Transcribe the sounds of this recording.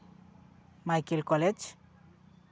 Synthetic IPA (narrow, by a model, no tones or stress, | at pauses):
majkelkɔled͡ʒ